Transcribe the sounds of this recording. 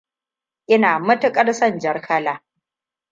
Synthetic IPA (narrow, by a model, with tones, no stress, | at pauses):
ʔɪ˦naː˨mʊ˦tʊ˦kʼɐ˦rsɐ˦˨nd͡ʒɐ˦rkʰɐ˦laː˨